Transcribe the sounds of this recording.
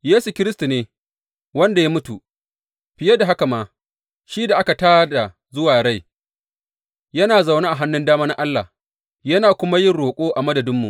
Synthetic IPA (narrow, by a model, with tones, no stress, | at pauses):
jeː˦su˨kʲɪ˦ɾɪ˦stu˨neː˨ | wɐ˦nda˨jaː˦mʊ˦tu˨ | ɸɪ˨ja˦da˨ɦa˦ka˨maː˨ | ʃiː˦da˨ʔa˦ka˨taː˦da˨ | zʊ˦waː˨ɽa˦˨j | jɐ˦naː˨za˨wnaː˦ʔa˨ɦa˦nːʊ˦ndaː˦maː˦na˦ʔa˦lːa̰˨ | jɐ˦naː˨kʷʊ˦ma˦jɪ˦nɽoː˨kʷʼoː˦ʔa˨mɐ˦dɐ˨dɪ˦mːṵ˨ʔ